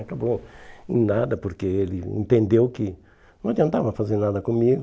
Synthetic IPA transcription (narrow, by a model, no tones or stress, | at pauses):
ɐkabõ | nad̪ɐpoɾkeelɪḛ̃nt̪ẽnd̪ewkɪ | nɐ̃d͡ʒ̪iɐ̃nt̪avɐ̃ɐfazeɾnad̪ɐkõmiɡʊ